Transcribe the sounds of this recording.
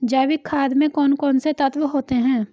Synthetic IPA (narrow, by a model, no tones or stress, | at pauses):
d͡ʒaːʋɪkʰːaːd̪mẽkɔːnkɔːnset̪ɐt̪ʋəɦoːt̪eɦɛ̃ː